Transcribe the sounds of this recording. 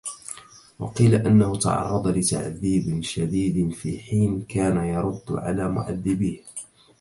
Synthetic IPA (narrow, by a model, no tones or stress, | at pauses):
wɑ̰qiːlaʔanːahʊt̪ɑ̰ʕɑ̰rˤːɑd̪ˤɑlɪt̪a̰ʕðiːbɪʃad̪iːd̪ɪfḭːħiːnkaːnajɑɾˤʊd̪ːʕa̰laːmʊ̰ʔa̰d̪ːɪbiːh